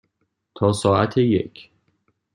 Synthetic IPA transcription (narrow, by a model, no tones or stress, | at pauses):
t̪ʰɒːsɒːæt̪ʰejḛcʰ